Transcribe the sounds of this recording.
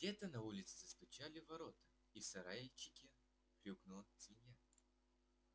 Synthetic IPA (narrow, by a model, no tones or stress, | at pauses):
dʲet̪ənɐulʲɪt̪sɨ̥zəst̪ʊt͡ɕalʲɪvɐɾot̪ə̥ | isɐɾajɪt͡ɕːɪkʲɪ | pɾʲuɡnusʲvʲɪnʲja